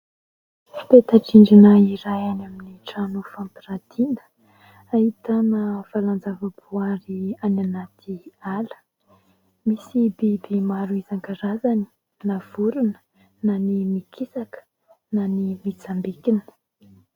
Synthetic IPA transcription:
fi̥p̪et̪aʈ͡ʂiɳɖ͡ʐinaiɾajanaminiʈ͡ʂanufampiɾat̪ʰinə̥ | ahit̪anafaland͡zavəbuaɾiananat̪ʰialə̥ | misibibimaɾuizaŋkaɾazani̥ | nav̥uɾunə̥ | nanimikʰisakə̥ | nanimit͡sambikinə̥

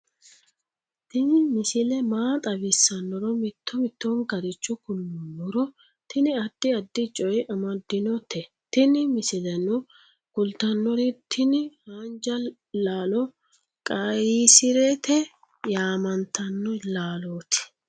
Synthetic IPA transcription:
t̪ɪnɪmɪsɪlɛmaːt̪ʼɐβɪsːɐnːɔɾɔmɪt̪ːɔmɪt̪ːɔŋɡɐɾɪt͡ʃːɔkʊlːʊnːɔɾɔ | t̪ɪnɪɐd̪̥ːɪɐd̪ːɪt͡ʃʼɔjʔɐmɐd̪ːɪnɔt̪ɛ | t̪ɪnɪmɪsɪlɛnɔ | ɡ̥ʊlt̪ɐnːɔɾɪt̪ʰɪnɪhaːnd͡ʒɐ | laːlɔ | kʼɐisɪɾɛt̪ɛ | jaːmɐnt̪ɐnːɔlaːloːt̪ɪ̥

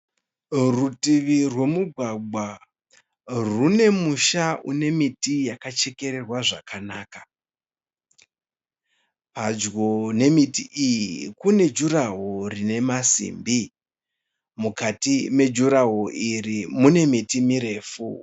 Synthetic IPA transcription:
rutiʋirwe̞muɡʱwaɡ͡ba | rune̞muʃaune̞mitijakat͡ʃe̞ke̞ɾe̞rwaʐakʰanaːkḁ | pad͡ʒɡone̞mitiʔijikune̞d͡ʒuɾaɦorine̞masḭmbi | mukatime̞d͡ʒuɾaɦoʔirimune̞mitimiɾe̞ːfu

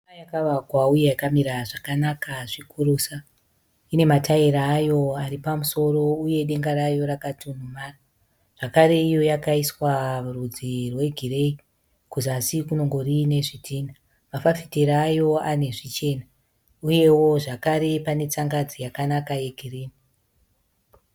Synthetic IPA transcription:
ajakaʋakwauje̞jakamiɾaʐakanakaʐikuɾusa | ine̞mataiɾaːjo̞aripamuso̞ro̞uje̞ɗe̞ŋɡaɾajo̞ɾakatunumaːra | ʐ̥akaɾe̞ijo̞jakaiswaurud͡zirwe̞ɡʱire̞i | kuzasikuno̞ŋɡo̞rine̞ʐitʰiːna | mafafiteɾːjo̞ane̞ʐit͡ʃe̞na | uje̞wo̞ʐakaɾe̞pane̞t͡saŋɡad͡zijakanakaje̞ɡʱiriːni

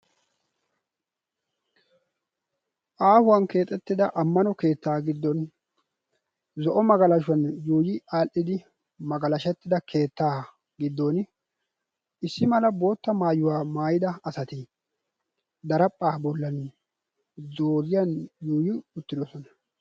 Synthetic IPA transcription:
ʔaːfʊwɐnke̞ːt̪ʼɛt̪ːɪd̪ɐʔɐmːɐnɔke̞ːt̪ːaːɡɪd̪ːɔn | zɔʔɔmɐɡɐlɐʃʊwɐnjuːjɪaːlʔɪd̪ɪ | mɐɡɐlɐʃɛt̪ːɪd̪ɐkʰe̞ːt̪ːaː | ɡɪd̪ːɔn | ɪsːɪmɐlɐbo̞ːt̪ːɐmaːjʊwaːmaːjɪd̪ɐɐsɐt̪ɪ | d̪ɐɾɐpʼːaːbɔlːɐn | d̪oːzɪjɐnjuːjɪʊt̪ːɪd̪ɔsɔnɐ̥

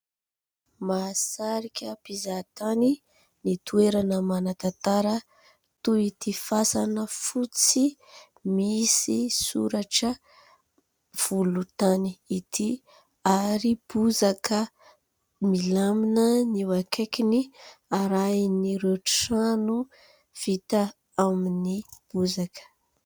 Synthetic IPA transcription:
masaɾikʲəpizat̪ani | nit̪ueɾanəmanat̪at̪aɾə | t̪uit̪ifasanəfut͡si | misisṵɾaʈ͡ʂə | v̥ulut̪aniit̪i | aɾib̥uzakə | milaminəniwakekiniaɾajniɾeʈ͡ʂsanu | v̥it̪a | aminib̥uzakə̥

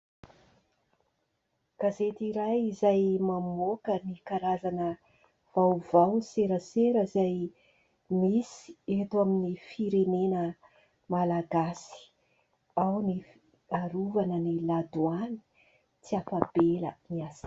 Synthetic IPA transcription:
ɡ̥azet̪iɾajizajmamokənikaɾazanə | v̥awvawseɾəseɾəizaj | misi̥et̪uaminifiɾenenə | malaɡasi̥ | awni | aɾuvanənilad̪uani̥ | t͡siafab̥elə̰niasi̥

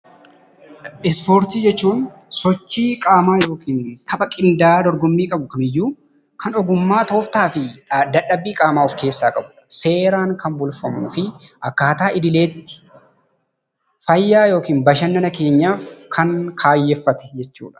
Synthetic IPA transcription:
ʔɪspo̞ːɾt̪iːd͡ʒɛt͡ʃːuːn | sɔt͡ʃːiːkʼaːmaːjo̞ːkʰiːnt̪ʰɐbɐkʼɪnd̪aːd̪ɔɾɡɔmːiːkʼɐbʊkɐnɪjːuː | kɐnɔɡʊmːaːt̪o̞ːft̪aːfɪd̪ɐᶑɐbːiːkʼaːmaːɔfke̞ːsːaːkʼɐbʊ̥ | se̞ːɾaːŋkɐnbʊlfɐmnʊfɪʔɐkːaːt̪aːʔɪd̪ɪle̞ːt̪ːɪ̥ | fɐjːaːjo̞ːkiːnbɐʃɐnːɐnɐke̞ːɲːaːfkʰɐŋkʰaːjːɛfːɐt̪ɛ̥d͡ʒɛt͡ʃːṵːᶑɐ̥

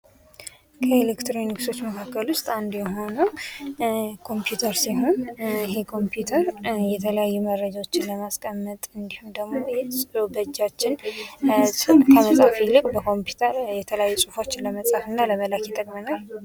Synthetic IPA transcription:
kʰəelekt̪ɾoinːɨɡɨst̪o̞t͡ʃːməkʰakːəlwʊst̪ʼand̪jɛɦo̞nə | kʰo̞mpjut̪ʰəɾsiɦo̞nɪɦe̞kʰo̞mpjut̪ʰəɾjɛt̪ʰələjajːuməɾːəd͡ʒawo̞t͡ʃːɪnləmaskʼʰəmːət̪ʼɨnd̪ihund̪əɡmo̞jɛsʼbəd͡ʒːat͡ʃːɪn | skʰəməsʼafilɨkʼbəkʰo̞mpu̥t̪ʰəɾjɛt̪ʰələjajːusʼɨfo̞t͡ʃːɪləməsʼafɨnːaləməlakjɛt̪ʼəkʼmənal

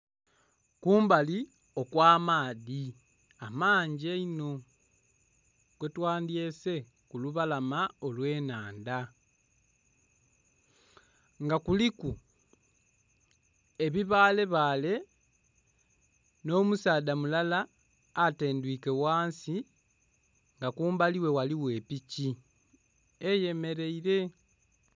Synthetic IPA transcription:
kuːmbali | o̞kwaːmaːði | amaːɲɟeino̞ | ɡ̥wetwaːndje̞se̞ | kuluβalamaolwe̞ːnaːnda | ŋɡakuliku | eβiβaːle̞βaːle̞ | no̞ːmusaːdamulalaː | te̞ːndwiːke̞waːnsi | ŋɡakuːmbaliwe̞waliwe̞ːpici | eje̞me̞ɾe̞iɾe̞

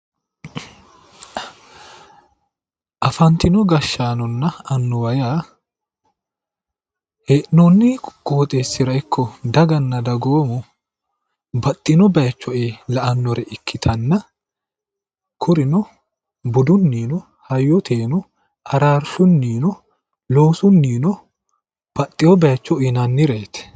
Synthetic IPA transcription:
ʔɐfɐnt̪ɪnɔɡɐʃːaːnɔnːɐɐnːʊwɐjaː | heːʔnonːɪɡ̥ʼoːt̪ʼeːsːɪɾɐɪkʰːɔd̪ɐɡɐnːɐd̪ɐɡoːmʊ | bɐt̪ʼːɪnɔbɐjɐt͡ʃːɔeːlɐʔɐnːɔɾɛʔɪkːɪt̪ʰɐnːɐ | kʰʊɾɪnɔ | bʊd̪ʊnːiːnɔ | hɐjːɔt̪ʰeːnɔ | ʔɐɾaːɾsʊnːiːnɔ | lo̞ːsʊnːiːnɔ | b̥ɐt̪ʼːɪwɔbɐjɐt͡ʃːɔɪnɐnːɪɾeːt̪ɛ̥

